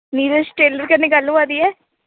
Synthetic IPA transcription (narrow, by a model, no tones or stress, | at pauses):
niːɾəsʈeːləɾkɐnːeɡɐlːũaːd̪iɛː